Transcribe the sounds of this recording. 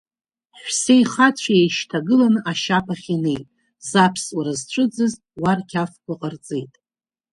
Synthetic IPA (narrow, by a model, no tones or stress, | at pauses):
ħʷsejχat͡sʷʰjejʃtʰaɡɨlanɨʔaʃapʰaχʲinejtʼ | zapʰswaɾazt͡ɕʷʰʼɨd͡zɨztwarkʲʰafkʷaqʼərt͡sʼejtʼ